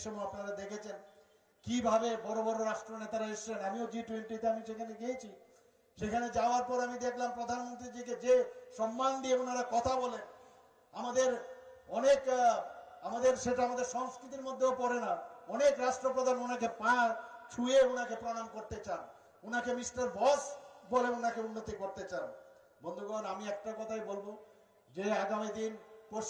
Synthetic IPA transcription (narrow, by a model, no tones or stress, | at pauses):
ʃomuapnaɾad̪ekʰet͡ɕʰen | kibʱabebɔɾobɔɾoɾaʃʈɾonet̪aɾaeʃlenamiod͡ʑiʈweɳʈit̪eamiʃekʰaneɡeet͡ɕʰi | ʃekʰaned͡ʑaoaɾpɔɾamid̪ekʰlampɾod̪ʱanmont̪ɾid͡ʑiked͡ʑeʃɔmːand̪ieunaɾakɔt̪ʰabɔlen | amad̪eɾɔnek | amad̪eɾʃeʈaamad̪eɾʃɔŋskɾit̪iɾmod̪ʱːeopɔɾenaɔnekɾaʃʈɾopɾod̪ʱanunakepãɾt͡ʃʰujeunakepɾonamkoɾt̪et͡ɕan | unakemisʈeɾbɔsboleunakeunːot̪ikoɾt̪et͡ɕan | bond̪ʱuɡonamiɛk̚ʈakɔt̪ʰajbolbo | d͡ʑeaɡamid̪inpo